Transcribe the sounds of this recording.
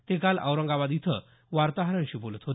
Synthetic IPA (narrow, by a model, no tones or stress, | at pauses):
t̪ekalə̰wɾəŋɡaʋad̪it̪ʰə | ʋaɾt̪aɦɾəɳɕiːbolət̪ɦo